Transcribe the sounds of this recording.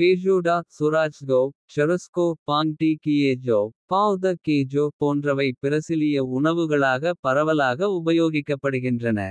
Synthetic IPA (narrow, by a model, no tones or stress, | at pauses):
keːd͡ʒoːɖaːsʊɾaːt͡ʃɡoːt͡ʃɐɾɐskoːpaːŋʈikieːd͡ʒoːpaːwd̪ɐkeːd͡ʒoːpoːndrɐʋɐɪpɪɾɐsɪlɪjɐʊɳɐʋɯɣɐɭaːɣɐpɐɾɐʋɐlaːɣɐʊbɐjoːɣɪkːɐpːɐɽɯɣɪndrɐnɐ̰